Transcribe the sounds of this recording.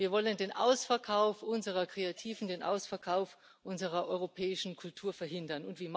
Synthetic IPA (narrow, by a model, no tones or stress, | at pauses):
viːɐvɔləndeːnʔa̰ʊsfɛɐkʰaʊfʔʊnzəʁ̞ɐkʁ̥eatʰiːvn̩deːnʔa̰ʊsfɛɐkʰaʊf | ʔʊnzəʁɐʔɔʏʁopʰɛːɪʃn̩kʰʊltʰuːɐfɛɐɦɪndɐnʊntv̥iːm